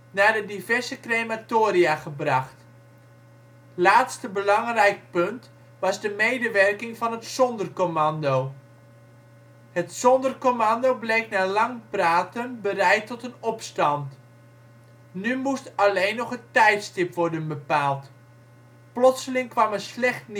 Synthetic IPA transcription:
naːdədivɛɹzəkrejmatoːɾiaχəbrɑχt | laːtstəbəlɑŋrɛjk̚pɵnt | ʋɑzdəmejdəʋɛrkɪŋvɑnɦətsɔndərkomɑndow | hətsɔndərkomɑndowblejknaːlɑŋpraːtənbərɛjtːɔtənɔpstɑnt | nymustɑlejnːɔχəntɛjtstɪpʋɔɹdənbəpaːlˠt | plɔtsəlɪŋkʋɑməslɛχtn

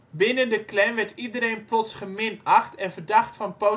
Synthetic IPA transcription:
bɪnəndəklɛnʋɛtidəɾeːnplɔtsχəmɪnaxtʰɛnvərdaχtfɑnpo

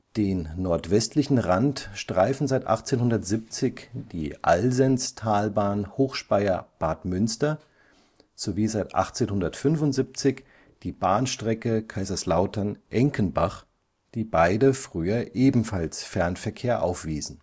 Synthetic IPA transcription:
d̥eːnːɔɐtv̥ɛstʰlɪçn̩ʁantʃtʁ̥aɪfn̩zaɪtʔa̰χt͡seːnhʊndɐtz̥ip̚t͡sɪçd̥iːʔa̰lzɛnstʰaːlbaːnhoːxʃpaɪɐb̥aɐtmʏnstɐ | z̥oviːzaɪtʔa̰χt͡seːnhʊndɐtfʏnvʊntz̥ip̚t͡sɪç | d̥iːbaːnʃtʁ̥ɛkəkʰaɪzɐslaʊtʰɐnʔɛŋkənbaχ | d̥iːbaɪdəfʁ̥yːɐʔeːbm̩falsfɛɐnfɛɐkʰeːɐʔa̰ʊfv̥iːzn̩

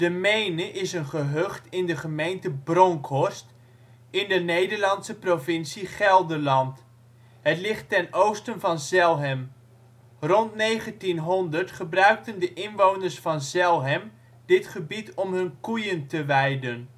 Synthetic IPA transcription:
d̥əmejnəʔɪsənχəɦøχtɪndəχəmejntəbrɔŋkʰɔɹst | ɪndənejdəɹlɑnsəprovɪnsiχɛlˠdəɹlɑnt | ɦətlɪχtːɛnowstənvɑnzɛlˠɦɛm | rɔntnejχəntinɦɔndəɹtχəbrœɥk̚təndəʔɪnʋownərsfɑnzɛlˠɦɛm | d̥ɪtχəbitɔmɦɵnkujəntəʋɛjdən

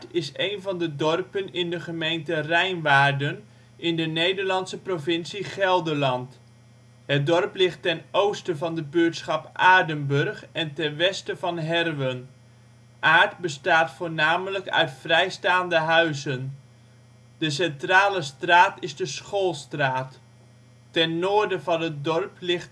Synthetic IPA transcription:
tɪsejnvɑndədɔrpənɪndəχəmejntərɛjnʋaːɹdən | ʔɪndənejdəɹlɑnsəprovɪnsiχɛlˠdəɹlɑnt | ɦət̚dɔrplɪχtɛnowstəvɑndəbøtsχɑpʔaːɹdənbørχɛntɛnʋɛstəvɑnɦɛrʋən | ʔaːɹtbəstaːtfoːɹnaːmələkœ̰ɥtfrɛjstaːndəɦœɥzən | d̥əsɛntraːləstraːtɪzdəsχoːlˠstraːtː | ɛnːoːəɹdəvɑnət̚dɔrplɪxt

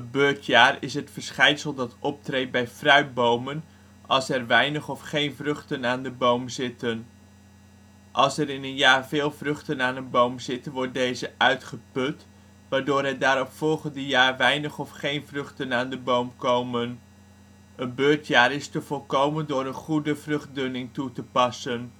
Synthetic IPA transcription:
ənbøːɹtjaːrɪsɦətfəɹsχɛjnsəlˠdɑtɔp̚trejt̚bɛjfrœɥ̚bowmən | ʔɑlˠsɛɹʋɛjnəχɔfχejnvrɵχtənaːndəbowmzɪtən | ʔɑlˠsɛɾɪnənjaːɹvɪːlˠvrɵχtənaːnənbowmzɪtəʋɔɹt̚dejzəʔœɥtχəpɵt | ʋaːɹdoːɾɦɛt̚daːɾɔpfɔlˠχəndəjaːɹʋɛjnəχɔfχejnvrɵχtənaːndəbowmkowmən | ənbøːɹtjaːɾɪstəvɔlˠkowməndʊːɾənχudəvrɵχt̚dɵnɪŋtutəpɑsən

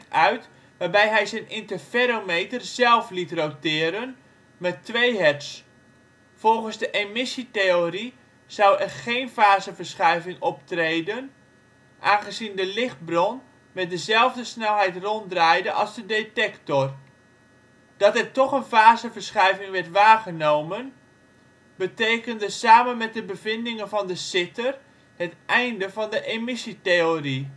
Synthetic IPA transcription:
œɥt | ʋaːbɛjɦɛjzɛjnɪntəfeɾomejtərzɛlˠflitrowtɪːɾən | mɛtːʋejɦɛts | fɔlˠχənzdəʔemɪsiteori | z̥ʌwɛrχejnfaːzəvərsχɛjvɪŋɔptrejdən | ʔaːnχəzindəlɪχt̚brɔn | mɛt̚dəzɛlˠvdəsnɛlˠɦɛjtrɔndrajdənʔɑlˠzdədetɛktɔr | d̥ɑtɛrtɔχənvaːzəvəɹsχɛjvɪŋʋɛɹtʋaːχənowmən | bətejkəndəsaːmənmɛt̚dəbəvɪndɪŋənvɑndəsɪtər | hətʔɛjndəvɑndəʔemɪsiteori

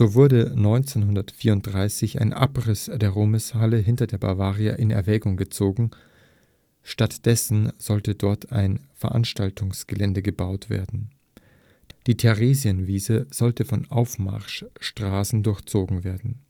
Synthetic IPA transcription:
z̥oːvʊɐdənɔʏnt͡senɦʊndɐtfiːɐʊnt̚d̥ʁaɪsɪça̰ɪnʔa̰pʁɪsd̥eːɐʁoːməshaləɦɪntɐdeːɐba̰vaːʁia̰ʔɪnɛ̰ɐvɛːɡʊŋɡət͡soːɡŋ̩ | ʃtatd̥ɛsn̩z̥ɔltədɔɐtʰaɪnfɛɐʔa̰nʃtaltʰʊŋsɡ̥əlɛndəɡəbaʊtv̥ḛːɐdn̩ | d̥iːtʰɛʁeːziənviːzəz̥ɔltəfɔnʔaʊfma̰ɐʃʃtʁ̥aːsn̩dʊɐçt͡soːɡŋ̩veːɐdn̩

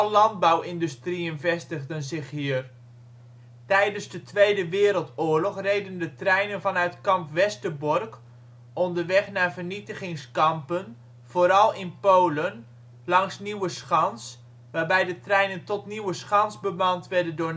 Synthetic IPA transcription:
lɑnd̚bawɪndystrijənvɛstəɣdənzɪχɦiər | tɛjdənzdətʰʋejdəʋɪːɾəlˠtʊːɹlɔχrejdəndətrɛjnənvɑnœɥtkɑmpʋɛstəbɔrk | ɔndərʋɛχnaːvərnitəχɪŋskɑmpən | v̥oːɾɑlˠɪnpoːlən | lɑŋsniwəsχɑns | ʋaːrbɛjdətrɛjnəntɔtniwəsχɑnsbəmɑntʋɛdəndʊː

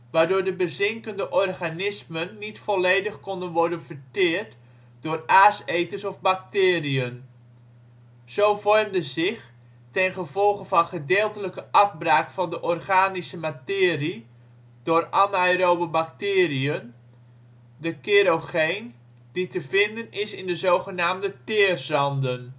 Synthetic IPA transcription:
ʋaːrdʊːɹdəbəzɪŋkəndəʔɔrχanɪsmənːitfɔlejdəχkɔndənʋɔrdənvərtɪːrt | d̥ʊːraːsejtəsɔfbaktɪːriən | z̥owvɔrmdəzɪχ | tɛnχəvɔlˠχənvɑnχədɪːlˠtələkəʔɑfbraːkfɑndəʔɔrχaːnisəmatɪːri | d̥ʊːranajrowbəbaktɪːriən | dəkeɾoχejn | d̥itəvɪndənɪsɪndəzowχənaːmdətɪːrzɑndən

